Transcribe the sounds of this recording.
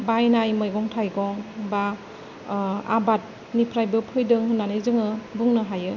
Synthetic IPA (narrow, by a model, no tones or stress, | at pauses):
bajnajmɯjɡɔŋtʰajɡɔŋba | a̰bat̚ | nipʰɾajbɯpʰɯjdɯŋhɯnːanizɯŋɯbuŋnɯɦajɯ